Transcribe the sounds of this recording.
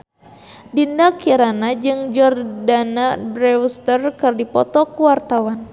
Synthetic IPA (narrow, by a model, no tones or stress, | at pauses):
dindakiɾanad͡ʒɨŋd͡ʒɔrdanabɾɛust̪ərkɨrdipɔ̰t̪ɔkuwart̪awan